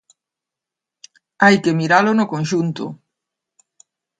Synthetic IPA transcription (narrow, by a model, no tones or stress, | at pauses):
ajkemiɾalʊnʊkõnʃunt̪o̰